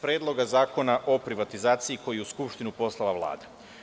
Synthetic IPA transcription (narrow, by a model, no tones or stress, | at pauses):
pɾjeːd̪lˠo̞ɡazaːko̞naʔo̞pɾiʋat̪izaːt̪siiko̞jiuskupʃt̪inupo̞slˠalaʋlˠa̰ːd̪a